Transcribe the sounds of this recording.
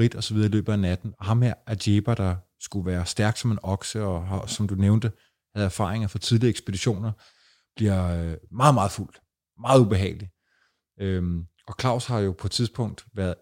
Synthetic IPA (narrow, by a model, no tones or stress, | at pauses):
fʁid̥ɒ̽sɒʋiðˠɐilø̰ːb̥ð̩ˠænæd̥n̩ɒ̽ɦɑ̈mɦæɐ̰ʔæd̥eb̥æd̥ɑ̈ | sɡ̥uʋæːɐsd̥æɐɡ̥sɒ̽me̝nɒ̽ɡ̥səɒ̽ɦɑsɒ̽md̥uneʊnd̥ə | hæð̞̩ˠæɐfɑ̰̈ːʁeŋɐfɒ̽t͡sʰið̞ˠliɐeɡ̥sb̥e̝d̥iɕo̝̰ːnɐ | b̥liɐmɑ̈ːðˠmɑ̈ːð̩ˠful̰d̥ | mɑ̈ːð̩ˠub̥e̝ɦɛ̰ːɪli | øm | ɒ̽kʰlɑ̈ʊ̰shɑ̈jo̝pʰɒ̽t͡sʰiðˠsb̥ɔ̽ŋ̰d̥ʋæɐðˠ